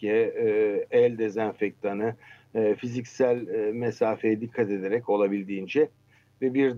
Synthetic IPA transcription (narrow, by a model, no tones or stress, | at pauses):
ɛ | ɛlʲd̪e̞zænfɛc̚t̪ʰanɯ | fizicsælʲmesaːfejɛd̪ikʰːat̪e̞d̪e̞ɾɛco̞lˠabilʲd̪iːnd͡ʒɛ | vɛbiɾd̪